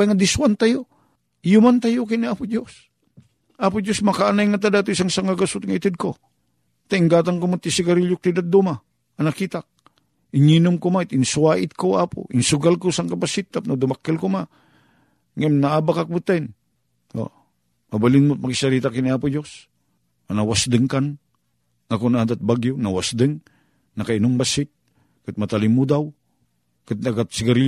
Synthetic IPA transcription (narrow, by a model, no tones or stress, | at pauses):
ajŋad̪ɪswant̪ajo | jʊmant̪ajʊkɪnɪaːpʊd͡ʒos | ʔapʊd͡ʒosmɐkaanajŋat̪̬adat̪ʊsaŋsaŋaɡasʊt̪̚ŋaɪt̪ɪd̪̚ko | t̪aɪŋɡaːt̪̬aŋkomʊt̪ːɪsɪɡaɾɪʎʊk̚t̪ɪd̪at̪̚d̪uma | ɐnakit̪ak̚ | ɪŋinʊmkomaɪt̪ɪnsuwaːʔɪt̪̚koʔaːpʊ̰ʔɪŋsʊɡalkosaŋkapasit̪ːap̚nod̪ʊmakːɪlkʊma | ŋamnaaːbakak̚bɨt̪ːain | o̰ | mabalɪnmʊt̪̚makisaɾit̪akiniaːpʊd͡ʒos | anawasd̪ɨŋkan | ŋakunaad̪at̪̚baɡjʊnawasd̪ɨŋ | nakainʊmbasɪt̪̚ | kɨt̪̚mat̪alimud̪aw | kɨt̪̚naɡat̪̚siɡaɾi